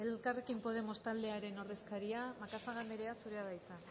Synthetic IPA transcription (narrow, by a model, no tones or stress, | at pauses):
e̞lkarekimpo̞ð̞e̞mo̞st̪ald̪e̞aɾe̞no̞ɾðe̞skaɾiamakasaɣameɾe̞asuɾeaðajt͡sa